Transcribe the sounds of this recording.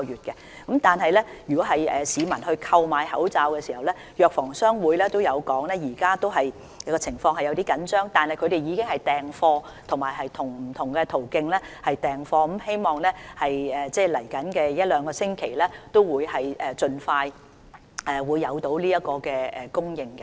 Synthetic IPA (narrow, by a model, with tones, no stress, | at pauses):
jyː˨t̚kɛ˧ | kɐ˨˥mt̪aː˨nɦɐ˨jlɛː˥jyː˨˩kɔ˨˦˥ɦɐ˨jɛː˨siː˨˧mɐ˨˩nɦɵ˧ɥkʰɐ˧wmaː˨˧jhɐ˨˥wt͡saː˧wkɛː˧siː˨˩hɐ˨wlɛː˥ | jœː˧k̚fɔː˨˩ŋsœː˥ŋwuː˨˧jlɛː˥t̪o˥wjɐ˨˧wkɔː˨˥ŋlɛː˥jiː˨˩kaː˥t̪o˥wɦɐ˨j | kɔː˧t͡sʰɪ˨˩ŋfɔː˧ŋhɐ˨jɐ˧wt̪iː˥kɐ˨˥nt͡ʃœː˥ŋt̪aː˨nhɐ˨jkʰɵ˨˧ɥɾe˨jjiː˨˧kɪ˥ŋhɐ˨jt̪ɛː˨˩ŋfɔː˧ | t̪ʰʊ˨˩ŋmaː˨jɦɐ˨jt̪ʰʊ˨˩ŋm̩˨˩t̪ʰʊ˨˩ŋkɛ˧t̪ʰo˨˩wkɪ˧ŋlɛː˥hɐ˨jt̪ɛː˨ŋfɔː˧m̩˥mhe˥jmɔː˨ŋlɛː˥hɐ˨jɛː˨˩t͡sɛː˥˩lɐ˨˩jkɐ˨˥nkɛː˧jɐ˥t̚lœː˨˧ŋkɔː˧sɪ˥ŋkʰe˨˩jlɛː˥t̪o˥wwuː˨˧jhɐ˨jʔɛː˨t͡ʃɵ˧nfaː˧j | ʔɛː˨wuː˨˧jːɐ˨˧wt̪o˨˧˥wliː˥jɐ˥kɔː˧kɛː˧ɛ˨kʊ˥ŋjɪ˨ŋkɛ˧